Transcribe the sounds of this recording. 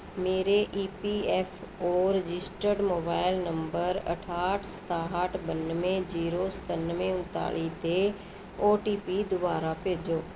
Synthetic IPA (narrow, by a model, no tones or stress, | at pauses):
meːɾeʔiːpiːɛːpʰoːɾəd͡ʒɪsʈəɾɖmoːbaːɪlnəmbəɾə̰ʈʰaːʈʰsə̥t̪aːɦəʈʰbənmẽːd͡ʒiːɾoːsə̥t̪ənmẽːʊnt̪a̰ːɭiːt̪e | oːʈiːpiːd̪ʊbaːɾaːpeːd͡ʒoː